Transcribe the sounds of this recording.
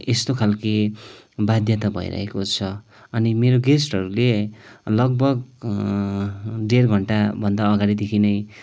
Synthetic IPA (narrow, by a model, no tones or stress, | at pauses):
est̪okʰalke | bad̪ʱjʌt̪ʌbʱʌ̰j̰ɾʌ̰ɦḛkot͡sʰʌ | ʌnimeɾoɡesʈʌɾulelʌɡ̚bʌɡ | ɖerɡʱʌɳʈabʱʌnd̪aʌɡaɽid̪ekʰinʌj